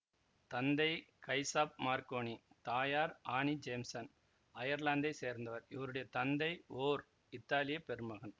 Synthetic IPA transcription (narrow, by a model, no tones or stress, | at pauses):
t̪ɐnd̪ɐɪkɐɪsaːp̚maːɾkoːɳit̪aːjaːɾaːɳid͡ʒeːmsɐn | ɐjɐɾlaːnd̪ɐɪseːɾnd̪ɐʋɐɾɪʋɐɾɯɽɐjɐt̪ɐnd̪ɐɪoːɾ | ɪt̪ːaːlɪjɐpɛɾɯmɐɣɐn